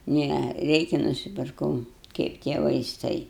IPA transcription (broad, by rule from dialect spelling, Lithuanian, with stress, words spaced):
ˈnʲɛ ˈrʲɛɪkʲɛ nʊsʲɪpʲɪrˈkɐʊ ˈkɐɪp tʲiɛ ʋɐɪˈstɐɪ